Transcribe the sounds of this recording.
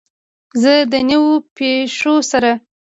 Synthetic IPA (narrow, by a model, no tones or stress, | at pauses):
zəd̪əniwopeʂosaɾa